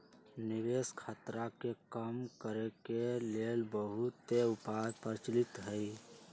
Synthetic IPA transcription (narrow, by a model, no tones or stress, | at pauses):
niʋeskʰət̪ɾakekəmkəɾekelelbəɦut̪ːeʊpajpəɾɪt͡ʃlit̪ɦəi